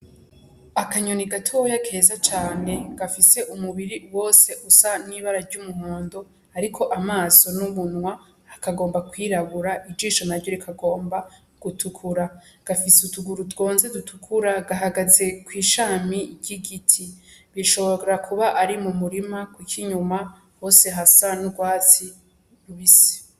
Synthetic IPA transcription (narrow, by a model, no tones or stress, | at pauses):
akaɲoniɡatʰojakʰe̞ːzat͡ʃaːne̞ɡ̥afise̞ʔumuβiɾiwo̞ːse̞ʔusaniβaɾaɾɟumuho̞ːndo̞ | aɾikʰo̞ʔamaːso̞nuβunwaː | kaɡo̞ːmbakwiːɾaβuɾaʔid͡ʒiːʃonaɾɟo̞ɾikʰaɡo̞ːmba | ɡ̥utukʰuɾaɡ̥afisutuɡuɾutɡo̞ːnze̞dutʰukʰuɾaɡaɦaɡaze̞kwiːʃaːmiɟiɡitʰiβiʃo̞βo̞ɾeɾakʰuβaʔaɾimumuɾimakwikʰiɲuma | ho̞ːse̞ɦasanuɡwaːt͡si | ɾuβise̥